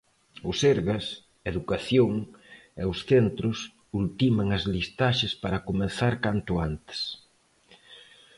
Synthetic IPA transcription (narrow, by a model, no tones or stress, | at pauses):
ʊseɾɣɐs | eðukaθjoŋ | eʊsθent̪ɾʊs | ult̪imɐŋɐzlist̪aʃɪspaɾɐkomẽnθaɾkant̪ʊant̪ɪ̥s